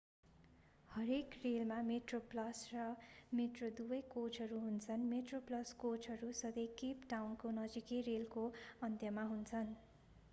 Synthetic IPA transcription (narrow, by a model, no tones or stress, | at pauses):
hʌɾekrelmameʈroplʌsrʌmeʈrod̪ubʌjkot͡sʌɾuɦunt͡sʰʌnmeʈroplʌskot͡sʌɾusʌd̪ʌjkipʈawnkonʌd͡zikirelkoʌnt̪jʌmaɦunt͡sʰʌn